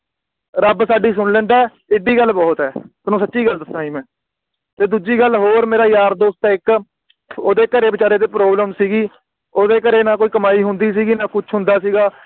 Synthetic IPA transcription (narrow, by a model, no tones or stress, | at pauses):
ɾəbsaːɖiːs̬ʊnlɛ̃ːnd̪aː | ɪːɖiːɡəlːbɔːt̪ɛːt̪ʊnũːsətːʃiːɡəld̪əsãːiːmɛ̃ː | t̪eːd̪uːd͡ʒiːɡəlɦoːɾmeːɾaːjaːɾd̪oːst̪ɛːɪk | oːd̪eːkəɾeːbɪt͡ʃaːɾeːd̪eːpɾoːbləmsiːɡiː | oːd̪eːkəɾeːnaːkoːiːkəmaːiːɦʊnd̪iːsiːɡiːnaːkʊt͡ʃʰɦʊ̃nd̪aːsiːɡaː